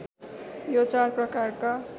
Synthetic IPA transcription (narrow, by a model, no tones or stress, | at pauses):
jot͡sarprʌkarka